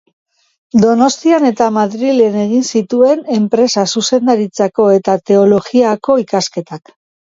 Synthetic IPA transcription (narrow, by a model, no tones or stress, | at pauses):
d̪o̞no̞st̪iane̞t̪amaðɾilene̞ɣ̞insit̪ue̞ne̞mpɾe̞sasuse̞nd̪aɾit͡sako̞e̞t̪at̪e̞o̞lo̞ɣiako̞ikaske̞t̪ak